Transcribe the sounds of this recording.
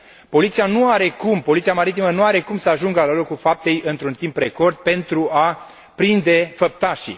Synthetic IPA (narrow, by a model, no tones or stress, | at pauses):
po̞lit̪sijanuaɾe̞kumpo̞lit̪siamaɾit̪imənuaɾe̞kumsəaʒuŋɡəaləlokulfap̚t̪e̞jɨnt̪ɾunt̪impre̞ko̞rd̪̚pe̞nt̪ɾua | pɾind̪e̞fəp̚t̪aʃḭ